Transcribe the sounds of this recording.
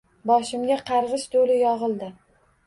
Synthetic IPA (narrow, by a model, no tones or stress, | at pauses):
bɒʃɪmɡʲaqʰɑɾʁɨʃd̪olɪjɒʁɨlˠd̪ɪ